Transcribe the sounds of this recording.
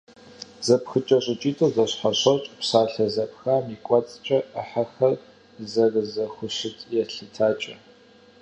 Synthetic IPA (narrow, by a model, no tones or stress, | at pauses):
z̥ɐpxɨt͡ʃʼɐɕʼɪt͡ʃʼiːtʰʼowzɐɕħaɕɐt͡ʃʼpsaːɬɐzɐpxaːmikʷʼɔt͡sʼt͡ʃʼɐʔəħaxɐr | zɐrɨzɐxʷʊɕɪtʼjɛɬɨtʰaːt͡ʃʼɐ